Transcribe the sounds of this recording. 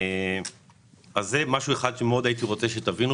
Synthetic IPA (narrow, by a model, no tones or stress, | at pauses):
azːemaʃueχad̪ʃe̞meo̞d̪ait̪iʁo̞t͡seʃe̞t̪avinu